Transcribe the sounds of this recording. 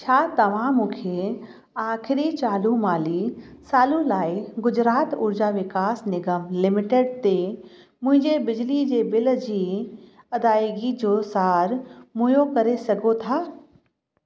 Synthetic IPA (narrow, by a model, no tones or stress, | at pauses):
t͡ʃʰaːt̪ɐʋ̤ãmũːkʰe | aːkʰɪɾit͡ʃaːlumaːlisaːlũlaːiɡʊd͡ʒɾaːt̪ʊɾd͡ʒaʋɪkaːsnɪɡəmlɪmɪʈeɖt̪e | mʊ̃ɦɪ̃ɲd͡ʑebɪd͡ʒlid͡ʒebɪld͡ʑi | ɐd̪aːeɡid͡ʒoːsaːɾmʊ̃jokɐɾesɐɡot̪ʰaː